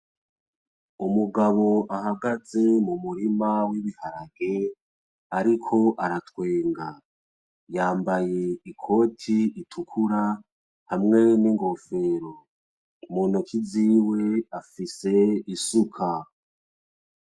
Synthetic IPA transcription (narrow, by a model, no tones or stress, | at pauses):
umuɡaβo̞ʔaɦaɡaze̞mumuɾimawiβihaɾaɡe̞ | aɾikʰo̞ʔaɾatwe̞ːŋɡa | jaːmbaje̞ikʰo̞tʰiitʰukʰuɾa | hamŋe̞niŋɡo̞fe̞ɾo | muːnukʰiziːwe̞afise̞isukʰa